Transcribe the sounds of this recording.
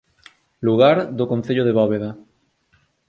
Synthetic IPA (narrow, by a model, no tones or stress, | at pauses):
luɣaɾðokon̟θeʎoðeβɔβeðɐ